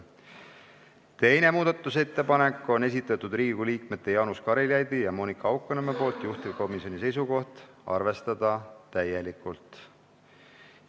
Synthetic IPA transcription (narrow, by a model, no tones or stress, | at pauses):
t̪e̞jne̞muːd̪̥ɑt̪ːˑuse̞t̪ːe̞pɑne̞kːˑo̞ne̞s̬it̪ːˑɑt̪ːˑud̪riːɡɡuliːkme̞t̪ːˑe̞jɑnuskɑɾiljɑjd̪ijɑmo̞ːnikːˑɑɑwkːˑɑnemepo̞ːlt̪juht̪ivko̞misjo̞nise̞jsuko̞ht̪ | ɑ̰rve̞st̪ɑd̪̥ɑt̪æjelikːˑult̪